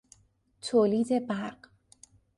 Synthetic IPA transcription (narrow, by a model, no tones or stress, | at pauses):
t̪ʰoːliːd̪e̞bæɾɢ